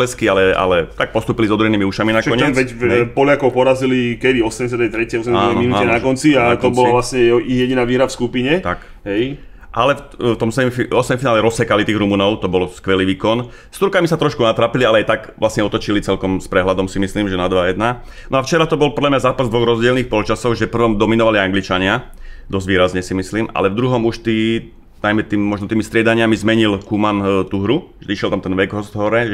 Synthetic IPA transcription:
ɛskialɛa̰lɛt̪ak̚pɔst̪uːpilizɔd̪uɾɛniːmiuʃaminakɔɲɛʋɛcɛpɔlakɔʊpɔɾazilikɛd̪iɔsɛmɟɛs̬at̪ɛjt̪ɾɛcɛjɔsɛmɛaːnminuɛnakɔnt͡siat̪ɔbɔlaʋlasɲɛijɛɟinaːʋiːɦɾafskupiɲɛt̪ak | ɦɛj | ʔalɛ | ft̪ɔmsɛɛmiɔsɛmfinaːlɛɾɔsːɛkalit̪iːɣɾumuːnɔʊt̪ɔbɔlskʋɛliːʋiːkɔn | st̪uɾkamisat̪ɾɔʃkunat̪ɾaːpilialɛajt̪akʋlasɲɛɔt̪ɔt͡ʃilit͡sɛlkɔmspɾɛɦlad̪ɔmsimisliːmʒɛnad̪ʋajɛd̪na | nɔaft͡ʃɛɾat̪ɔbɔlpɔd̪ʎamɲazaːpazd̪ʋɔɣɾɔzɟɪɛlniːxpɔlt͡ʃasɔɣʒɛpr̩ʋɔmd̪ɔminɔʋaliaŋɡlit͡ʃaɲɪad̪ɔzɟʋiːɾazɲɛsimisliːmʔa̰lɛvd̪ɾuɦɔmuʃt̪iː | najmɛt̪iːmːɔʒnɔt̪iːmist̪ɾɪɛd̪aɲɪamizmɛɲilkumant̪uɦɾuʒɛiʃjɛlt̪amt̪ɛnʋɛɡɦɔsd̪ɦɔɾɛ

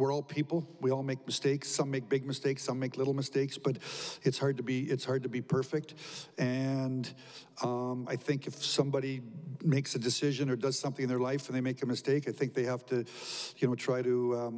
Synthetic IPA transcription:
wə˞ɔlˠpʰipl̩ˠwiɔlˠmeɪk̚mɨsteɪksːʌ̃mːeɪk̚b̥ɪɡ̚mɨsteɪksʌ̃mːeɪklɪɾl̩ˠmɨsteɪksb̥ʌɾɨtshɑɹd̚tɨbiɪtshɑɹd̚təbipʰɜ˞fɪk̚tɨ̃n | ʌma̰ɪθɪ̃ŋkɨfsʌ̃mbɑɾimeɪksɨdɨsɪʒɨ̃nə˞dʌz̥sʌ̃mθɪ̃ŋɨ̃nðə˞laɪfə̃n̩ðeɪmeɪkɨmɨsteɪkaɪθɪ̃ŋk̚ðeɪhæftɨjɨñoʊtʰɹ̥aɪɾɨ

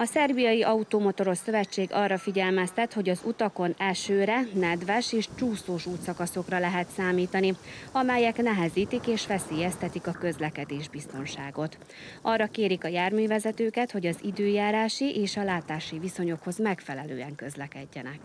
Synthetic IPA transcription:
ɒsɛrbijɒjiʔɒut̪oːmo̞t̪o̞ɾo̞sːø̞vɛt͡ʃːeːɡɒrːɒfiɟɛlmɛst̪ɛt̪ho̞ɟɒzut̪ɒko̞nɛlʃøːɾɛnɛd̪ʋɛʃeːʃt͡ʃuːsoːʃuːt̪sɒkɒso̞krɒlɛɦɛt̪saːmiːt̪ɒniɒmɛjɛknɛɦɛziːt̪ikeːʃʋɛseːjɛst̪ɛt̪ikɒkø̞zlɛkɛd̪eːʒbist̪o̞nʃaːɡo̞t̪ | ʔɒrːɒkeːɾikɒjaːrmyːvɛzɛt̪øːkɛt̪ho̞ɟɒzid̪øːjaːɾaːʃiʔeːʃɒlaːt̪aːʃiviso̞ɲo̞kho̞zmɛkfɛlɛlø̰ːɛŋkø̞zlɛkɛɟːɛnɛk

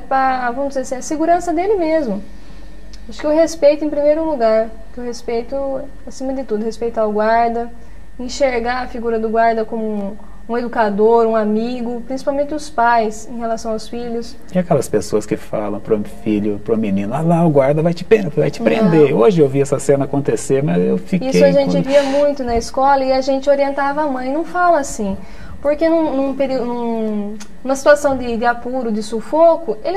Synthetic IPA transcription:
pɐvɐ̃mʊzɪzeɾsɛɐseɡuɾɐ̃sɐd̪elɪmezmʊ | aʃʊ̥kɪeʊwɦespejt̪ʊẽpɾimejɾʊluɡaɾ | kewhespejt̪ʊ | asĩmɐd̪ɪt̪ud̪ʊhespejt̪aʊɡwaɾd̪ɐ | ẽʃeɾɡaɾɐfiɡuɾɐd̪ʊɡwaɾd̪ɐkõmʊ̃ | ũed̪ukad̪oɾũamiɡʊpɾĩsi̥pawmẽnt̪ɪʊspajsẽɦelasɐ̃w̃awsfiʎʊs | ɪakɛlɐspesoɐskɪfa̰lɐ̃w̃pɾofiʎʊpɾʊ̃minĩnʊalaɡwaɾd̪ɐvajt͡ʃɪ̥pẽvajt͡ʃɪpɾẽnd̪eoʒɪewviɛsɐsẽnɐakõnt̪eseɾmɐzewfikiseʊaʒẽnt͡ʃɪviɐmũj̃t̪ʊnɐiskɔlɐɪaʒẽntt͡ʃɪoɾiẽnt̪avɐamɐ̃j̃nɐ̃w̃falɐasĩ | poɾkenũnũpeɾiʊnũ | nũmɐsi̥t̪uasɐ̃w̃d̪ɪd̪ɪapuɾʊd̪ɪsofokʊelɪ

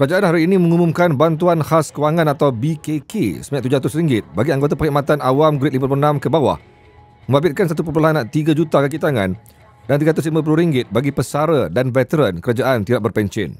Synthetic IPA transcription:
kəɾad͡ʒaʔanhaɾiːnĩmə̃ŋumũmkanbant̪uanhaskəwaŋãnat̪awbikekḛsəmaɲãʔt̪ud͡ʒaat̪ʊsɾiŋɡɪt̪̚baɡiaŋɡot̪̬apakiʔmat̪anawamɡɾɪt̪̚limaplonãmkəbawa̰h | mə̃mbabɪt̪̚kansat̪upəpulaɦanːaʔt̪iɡad͡ʒut̪akəkit̪aŋã̰n | dant̪iɡat̪ʊs̬limãp̬uluhɾiŋɡɪt̪̚baɡipəsaɾədanvɛt̪əɾənkəɾad͡ʒaʔant̪idaʔ̚bərpɛɲt͡ʃɪ̰n

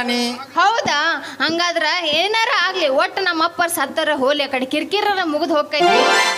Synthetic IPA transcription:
nihɐwd̪a | ɦɐŋɡaːd̪ɐɾɐeːnɐɾɐaːɡliɔʈːɐnɐmːɐpːɐɾsɐt̪ːɐɾɐɦoːliakɐɽekiɾkiɾːɐnːɐmuɡud̪ɦoːɡ̚kajd̪ii

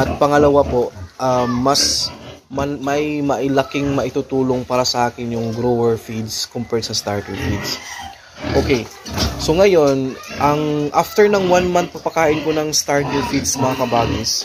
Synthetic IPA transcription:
ʔɐt̪̚pɐŋɐlɐwapo̞ʔʔamːɐsmɐmɐjmɐʔɪlɐkɪŋmɐʔɪt̪ut̪uːlo̞ŋpaːɾɐsɐʔaːkɪnjʊŋɡɾowɛɹfid̪skompɛɾt̪sɐst̪aɹt̪ɪŋfid̪s | ʔokejso̞ŋɐjo̞nʔɐŋʔaft̪ɛɹnɐŋwanmant̪̚pɐpɐkaːʔɪnkonɐŋst̪aɹt̪ɪŋfid̪sɐmɐŋakɐbaːɡɪs

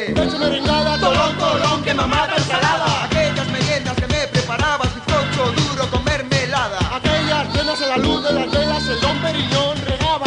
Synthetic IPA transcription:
esemeɾeŋɡaðat̪ook̪oloŋkemamat̪esalaðaakeʎazmeɣend̪askemepɾepaɾaβasufot͡ʃoðuɾokomeɾmelaðaakeʎastenaselaluθðelant̪eʎasetompeɾiɲonreɣaβa

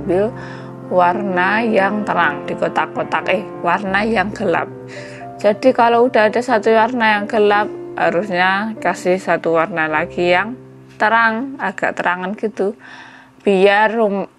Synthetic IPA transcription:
bɪl | warnajaŋt̪əɾaŋd̥ikot̪akːot̪akɪh | warnajaŋɡ̥əla̰p̚ | d͡ʒ̥adikaloud̥aːdasat̪uwarnajaŋɡəlap̚haɾusɲakasɪhsat̪uwarnalaɡ̥ijaŋ | t̪əɾaŋaɡ̥a̰ʔt̪əɾaŋanɡ̥it̪u | b̥ijarum

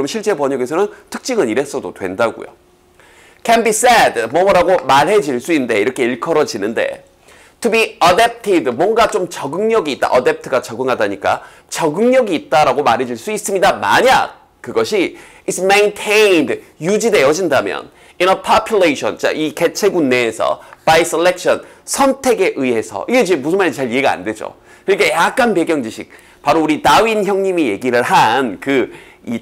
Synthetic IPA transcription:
ɾʌmnɕʰiɭt͡ɕ͈e̞pʌɲʌɡesʰʌnɯntʰɯ̥k̚t͡ɕ͈iŋɯniɾe̞s͈ʌdodwe̞̰ndaɡṵjo̰ | kʰɛnbisedmʌmʌɾaɡomaɾɦe̞d͡ʑiɭs͈uinɯnde̞iɾʌkʰe̞iɭkʰʌɾʌd͡ʑinɯnde̞̰ | tʰubiadap̚tʰidmwʌnɡat͡ɕomt͡ɕʌɡɯŋɲʌɡiːt̚t͈a̰ʔʌdep̚tʰɯɡat͡ɕʌɡɯŋɦadaɲik͈a̰ | t͡ɕʌɡɯŋɲʌɡiːt̚t͈aɾaɡomaɾɦe̞d͡ʑiɭs͈uis͈ɯmɲidama̰ɲa̰ | kɯɡʌɕʰiː | tsʰmentʰendjud͡ʑide̞jʌd͡ʑindamjʌ̰n | inʌpʰapʰjuleɕʰʌ̰nt͡ɕ͈a̰ʔike̞t͡ɕʰe̞ɡunːe̞ːsʰʌ̰paiselːek̚ɕʰʌn | sʰʌntʰe̞ɡe̞ʔɯiɦe̞sʰʌ̰iɡe̞d͡ʑemus̬ʰɯnmanet͡ɕaɭieɡaa̰nde̞d͡ʑo̰ | kɯnik͈ajakk͈anpe̞ɡjʌŋd͡ʑiɕʰik̚ | paɾouɾinawinçjʌŋɲimije̞ɡiɾɯɭɦankɯ | i

